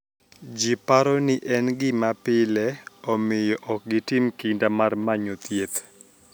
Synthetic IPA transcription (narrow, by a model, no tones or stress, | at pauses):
d͡ʒipaɾɔnɪʔɛnɡɪmapɪlɛɔmɪjɔʔɔk̚ɡɪtɪmkɪndamarmaɲot̪jet̪